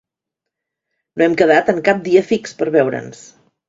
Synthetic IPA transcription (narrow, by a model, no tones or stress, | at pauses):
noɛmkəð̞at̪əŋkap̚d̪iəfikspəɾβɛwɾə̰ns